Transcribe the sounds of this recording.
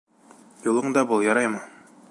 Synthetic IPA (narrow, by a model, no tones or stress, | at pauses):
julˠɤ̆ɴd̪ɑbulˠjɑɾɑjmɤ